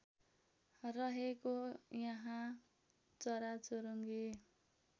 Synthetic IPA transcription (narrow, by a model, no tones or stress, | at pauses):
rʌɦekojʌɦã | t͡sʌɾat͡soɾoŋɡi